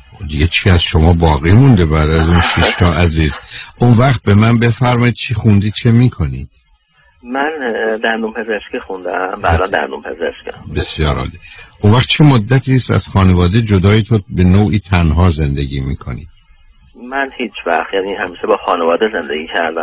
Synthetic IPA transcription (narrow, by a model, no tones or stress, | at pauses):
d̪iɡet͡ʃʰiːæzʃo̞mɒːbɒːɣiːmund̪ebæːd̪æzunʃiʃt̪ʰɒːʔæziːzʔunvæχt̪̚be̞mænbe̞fæɾmɒːid̪̚t͡ʃʰixund̪iːt͡ʃʰe̞miːkʰo̞nḭːd̪̥ | mænd̪ænd̪umpʰezeʃkixund̪æmbæːd̪ænd̪æ̰nd̪umpʰezeʃkæ̰be̞sjɒːɾɒ̰liʔunvæχt̪̚t͡ʃʰe̞mod̪ːæt̪ʰiːst̪æ̰z̥xɒːnevɒːd̪ed͡ʒod̪ɒːjet̪ʰobe̞noːʔiːt̪ʰænɦɒːze̞nd̪eɡiːmiːkʰo̞̰nḭ̥ː | mænhiːt͡ʃʰvæxt̪jaːnihæmiːʃebɒːxɒːnevɒːd̪eze̞nd̪eɡiːcʰæɾd̪æm